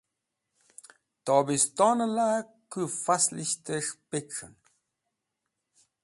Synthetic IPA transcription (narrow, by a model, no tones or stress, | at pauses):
t̪ɔbist̪ɔnəlakɨfasliɕt̪əʂpekʂə̰n